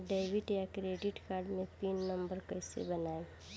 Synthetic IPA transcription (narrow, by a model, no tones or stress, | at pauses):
ɖeːʋiʈjakɾeːɖɪʈkaːɾɖmẽpinːəmbəɾkəɪsḛbɐnaːe